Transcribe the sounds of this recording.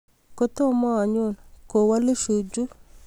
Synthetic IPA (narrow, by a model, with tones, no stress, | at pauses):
ko˦t̪o˦mɔ˦a˨ɲo˦˨nko˨wa˦lo˦ʃu˨d͡ʒu˦